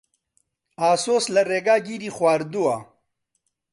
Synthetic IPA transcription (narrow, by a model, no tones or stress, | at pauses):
aːsoːslɐɾeɡaːɡiɾiχwaːɾd̪ua